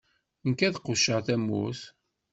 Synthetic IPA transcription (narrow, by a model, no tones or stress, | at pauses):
nkæðqʊʃəʁθæmːṵθ